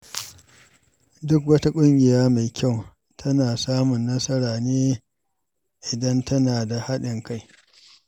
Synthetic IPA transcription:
dʊ˦kwɐ˦ta˦kʷʼʊ˦ŋɡʲɪ˨jaː˦ma˨jkʲa˦˨w | tʰɐ˦naː˨saː˦mʊ˨nːɐ˦sɐ˦ɾaː˨neː˦ | ʔɪ˨dɐ˦ntʰɐ˦naː˨da˨ha˦ɗɪ˨ŋka˦j

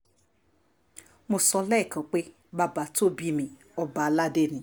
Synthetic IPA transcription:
mo˧sɔ˧lɛ˦˨kã˨˦k͡pe˦ | ba˧ba˧˨to˦bi˧mĩ˧ | ɔ˧ba˨˧la˦de˦˨nĩ˨˦

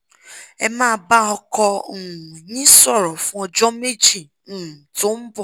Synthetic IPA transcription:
ɛ˦mãː˦˨ba˦ɔ˨kɔ˦ŋu˨ɲĩ˦sɔ˦ɾɔ˨fũ˦ɔ˨d͡ʒɔ˦me˦d͡ʒi˨ | ŋu˨to˦m̩˦bɔ˨

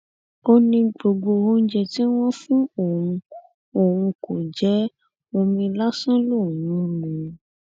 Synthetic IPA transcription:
o˧nĩ˧ɡ͡bo˨ɡ͡bo˧o˦n̩˦d͡ʒɛ˧ti˦w̃ɔ̃˦fũ˦o˦˨wũ˧ | o˨wũ˧ko˨d͡ʒɛ˨˦ | mõ˧mĩ˧la˦sũ˦lu˦˨jũ˨˦mũ˨

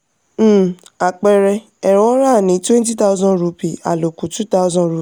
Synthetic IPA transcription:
a˨k͡pɛ˨ɾɛ˧ | ɛ˨ɾ̃ɔ̃˦ɾa˦˨nĩ˨˦twɛ̃˦n˦t̬i˦ta˦u˦zɔ̃˦ɾu˧˦pi˨a̰˨lo˨ku˨˦tu˦ta˦u˧zɔ̃˦ɾu˧˨

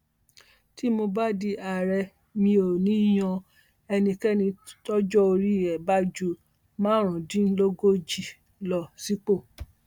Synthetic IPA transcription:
ti˦mo˧ba˦di˧a˨ɾɛ˧ | mĩ˧o˨nĩ˨˦j̃ɔ̃˧ | ɛ˧nĩ˧kɛ˦nĩ˧tɔ˦d͡ʒɔ˦o˧ɾi˦ɛ˨ba˦d͡ʒu˦ | mãː˦ɾ̃ũ˨dĩ˦n̩˦lo˦ɡo˦d͡ʒi˨ | lɔ˨si˦k͡po˦˨

